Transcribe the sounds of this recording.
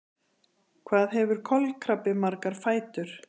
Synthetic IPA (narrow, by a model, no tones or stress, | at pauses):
kʰvaːðɦɛvʏɾ̥kʰɔlkʰɾapɪmaɾkaɾ̥faːjt̪ʏɾ̥